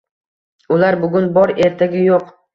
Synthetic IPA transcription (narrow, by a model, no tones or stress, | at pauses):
ʊlaɾbʊɡʲʊnbɒɾe̞ɾt̪ʰaɡʲɪjoq